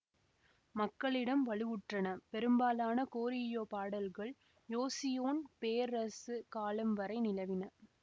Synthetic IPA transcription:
mɐkːɐɭɪɽɐmʋɐɭɯʋɯʈrɐnɐpɛɾɯmbaːlaːnɐkoːɾɪjoːpaːɽɐlɣɐɭ | joːsɪjoːnpeːɾɐsɯkaːlɐmʋɐɾɐɪnɪlɐʋɪnɐ

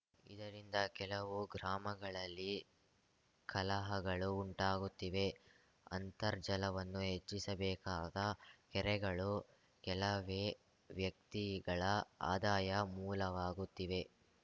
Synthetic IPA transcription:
ḭd̪ɐɾind̪ɐkɛlɐʋuɡɾaːmɐɡɐɭɐlːi | kɐlɐɦɐɡɐɭuːɳʈaːɡut̪ːiʋe̞ | ɐ̰nt̪ɐɾd͡ʒɐlɐʋɐnːuɦet͡ʃːisɐbɛːkaːd̪ɐkɛɾɛɡɐɭu | kɛlɐʋ | ʋjɐk̚t̪iɡɐɭɐa̰ːd̪aːjɐmuːlɐʋaːɡut̪ːiʋe̞

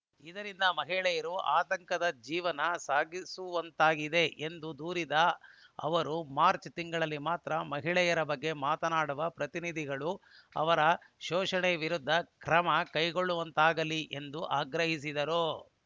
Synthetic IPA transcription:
id̪ɐɾind̪ɐmɐɦiɭɛjɐɾuaːt̪ɐŋkɐd̪ɐd͡ʒiːʋɐnɐsaːɡisuʋɐnt̪aːɡid̪e̞ʔend̪ud̪uːɾid̪ɐɐ̰ʋɐɾumaːɾt͡ʃt̪iŋɡɐɭɐlːimaːt̪ɾɐmɐɦiɭɛjɐɾɐbɐɡːe̞maːt̪ɐnaːɽuʋɐpɾɐt̪inid̪ʱiɡɐɭu | ɐ̰ʋɐɾɐʃɔːʂɐɳɛɐʋiɾud̪ʱːɐkɾɐmɐkɐjɡo̞ɭːuʋɐnt̪aːɡɐliʔe̞nd̪uʔaːɡɾɐɦisid̪ɐɾo

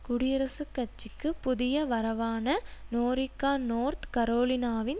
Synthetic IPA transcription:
kʊɽɪɾɐsɯkːɐt͡ʃːɪkːɯpʊðɪjɐʋɐɾɐʋaːnɐnoːɾɪkːaːnoːɾt̪kɐɾoːlɪnaːʋɪn

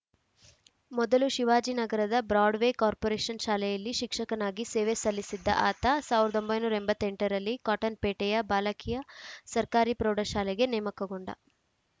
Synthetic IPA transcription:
mɔd̪ɐluʃiʋaːd͡ʒinɐɡɐɾɐd̪ɐbɾaːɖʋekaːɾpoɾeːʃɐnʃaːlɛjɐlːiʃikʂɐkɐnaːɡiseːʋesɐlːisid̪ːɐ̰ʔaːt̪ɐsaːʋiɾɐd̪o̞mbɐjnuːɾɐembɐt̪ːeɳʈɐɾɐlːikaːʈɐnpeːʈɛjɐbaːlɐkijɐsɐɾkaːɾipɾoːɖɐʃaːlɛɡe̞nɛːmɐkɐɡoɳɖɐ̰

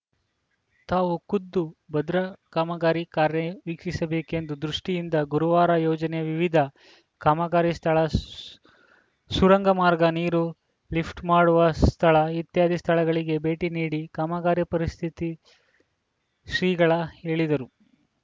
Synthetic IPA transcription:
t̪aːʋukud̪ːubɐd̪ɾɐkaːmɐɡaːɾikaːɾjɐʋikʂisɐbe̞ːke̞nd̪ud̪ɾuʂʈijind̪ɐɡuɾuʋaːɾɐjɔːd͡ʒɐneʋiʋid̪ʱɐ | kaːmɐɡaːɾjist̪ʰɐɭɐ | suɾɐŋɡɐmaːɾɡɐniːɾu | lipʰʈmaːɽuʋɐst̪ʰɐɭɐit̪jaːd̪ist̪ʰɐɭɐɡɐɭiɡe̞be̞ːʈiniːɽikaːmɐɡaːɾjɐpɐɾist̪ʰit̪i | sɾiːɡɐɭɐhe̞ːɭid̪ɐɾu

